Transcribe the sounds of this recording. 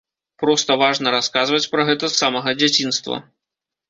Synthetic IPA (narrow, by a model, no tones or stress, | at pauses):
pɾɔst̪ɐvaʐnɐɾaskazvɐt͡sʲpɾɐɣɛt̪ɐsːamɐɣɐd͡zʲat͡sʲinst̪vɐ̰